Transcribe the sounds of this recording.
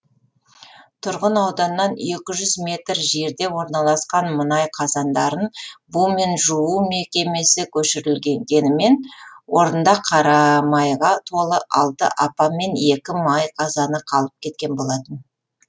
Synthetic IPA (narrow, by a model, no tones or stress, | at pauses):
t̪ʰʊɾʁənɑwd̪ɑnːɑne̞kʲɪʒʏzmʲe̞t̪ɾʒe̞ɾd̪e̞wo̞ɾnɑlˠɑsqɑnmənɑjqʰɑzɑnd̪ɑɾənbume̞nʒuume̞kʲe̞me̞sɪkʲʰɵʃɪɾɪlɡʲe̞ŋɡʲe̞nɪme̞nwʔo̞ɾənd̪ɑqʰɑɾɑmɑjʁɑt̪ʰo̞lˠəʔɑlˠt̪ə̰ʔɑpɑme̞ne̞kʲɪmɑjqʰɑzɑnəqʰɑlˠəp̚kʲʰe̞t̪̚kʲe̞nbo̞lˠɑt̪ən